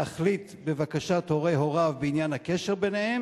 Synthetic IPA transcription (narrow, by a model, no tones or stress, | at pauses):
aχlit̪bevakaʃat̪ho̞ʁejɦo̞ʁavbeinjanhakeʃeʁbenehem